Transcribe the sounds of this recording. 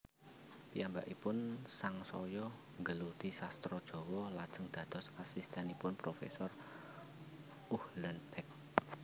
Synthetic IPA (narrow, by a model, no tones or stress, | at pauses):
piambaʔipʊnsaŋsɔjɔ | ŋɡəlud̪̥isast̪ɾɔd̥ʒ̥ɔ̤wɔlad̥ʒ̥ə̤ŋd̪̥ä̤d̪̥ɔ̤sasist̪ɛnipʊnpɾofḛsɔr | uhlənpɛk̚